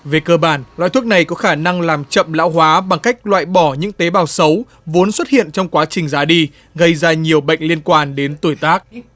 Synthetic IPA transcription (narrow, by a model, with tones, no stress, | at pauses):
ve˨˩kəː˧ɓaː˧˩nla̰ː˧˨jt̪ʰu˦˥k̚na˨˩jkɔ˨˦xaː˧˩na˧ŋlaː˨˩mt͡ɕə̰˧˨mla̰ː˧˥wɦwaː˨˦ɓa˨˩ŋka˦˥jk̟̚lwa̰ː˧˨jɓɔ˧˩ɲɨ̰˧˥ŋt̪e˨˦ɓaː˨˩wsə˨˦w | vo˨˦ənswə˦˥t̚hḭ˧˨ənt͡ɕɔ˧wŋ͡mkwaː˨˦t͡ɕï˨˩ŋ̟zaː˨˦ɗi˧ | ɣə˧jzaː˧ɲi˨˩əwɓə̰˧˨jŋ̟li˧ənkwaː˧˩nɗe˨˦nt̪u˧˩jt̪aː˦˥k̚